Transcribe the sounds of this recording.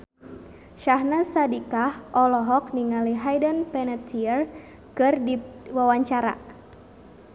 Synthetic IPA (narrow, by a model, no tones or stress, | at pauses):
ʃahnasadikahʔɔlɔɦɔk̚niŋaliɦajdənpɛnət̪ʰiər | kɨrdiwawaɲt͡ʃaɾa̰